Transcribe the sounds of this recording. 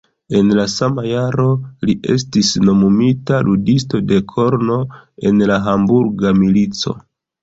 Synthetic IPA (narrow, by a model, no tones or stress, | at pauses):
e̞nlasamajaɾo̞liʔe̞̰stisno̞mumitaludisto̞de̞kʰo̞ɾno̞e̞nlaɦambuɾɡamilit͡so̞̰